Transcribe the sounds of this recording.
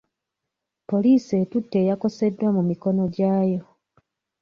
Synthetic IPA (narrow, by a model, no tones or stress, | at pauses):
po̞liːse̞ːtutːe̞ːjako̞se̞dːwamumiko̞no̞ɟaːjo̞